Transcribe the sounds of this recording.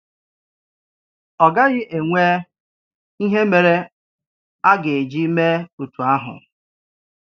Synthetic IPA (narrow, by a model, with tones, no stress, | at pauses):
ɔ˨ɡa˦ɣɪ˦ʔe˨ŋʷe˦ | i˦ɦe˦me˨ɾe˦ | a˦ɡe˨e˨d͡ʒi˦me˦u˨tu˨a˦ɦʊ̰˨